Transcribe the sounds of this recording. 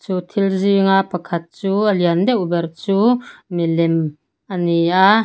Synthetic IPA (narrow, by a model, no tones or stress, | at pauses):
t͡suːt̪ʰilziŋapɐkʰɐt̪̚t͡suːʔəliənd̪ɛʔbɛrt͡suːmilɛm | ʔənia